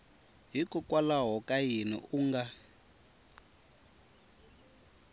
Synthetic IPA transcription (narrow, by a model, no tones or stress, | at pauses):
ɦikukwalaɦɔkʼajinḭʔuŋɡa